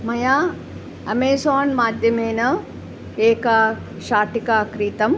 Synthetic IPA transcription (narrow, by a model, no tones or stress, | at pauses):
mɐjaː | ɐmeːsaːnmaːd̪ʱjɐmeːnɐ | eːka | ʃaːʈikaːkɾiːt̪ɐm